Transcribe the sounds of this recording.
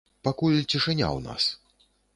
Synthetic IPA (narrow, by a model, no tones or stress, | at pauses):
pakulʲt͡sʲiʂɨnʲa̰wna̰s